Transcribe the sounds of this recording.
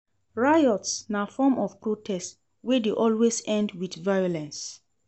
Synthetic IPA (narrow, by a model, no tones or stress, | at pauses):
ɹajɔtsnafɔmʔɔv̥pɹotʰɛst | wɛdeʔɔlwesɛ̃ndwidvajɔlɛ̃ns